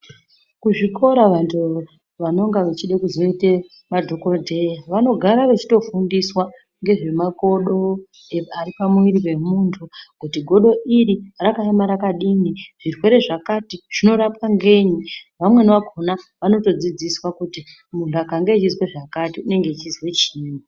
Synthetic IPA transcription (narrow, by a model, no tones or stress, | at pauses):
kuʐiko̞ɾaʋantʰu | ʋano̞ŋɡaʋet͡ʃiɗekuzo̞ite | madʱo̞kordʱejaʋano̞ɡʱaɾaʋet͡ʃi̥to̞fundiswa | ŋɡe̞ʐe̞mako̞ɗo̞ | earipamwiɾiwe̞muːntʰukutiɡʱo̞ɗo̞ʔiɾirakaemaɾakaɗiniʐ̥irwe̞ɾe̞ʐakatiʐ̥ino̞ɾapaŋɡe̞ɲiʋamwe̞nʋakʰonaʋano̞to̞d͡zid͡ziswakuti | muntʰuakaŋɡeːt͡ʃizweʐakatiune̞ŋɡet͡ʃizwe̞t͡ʃiːni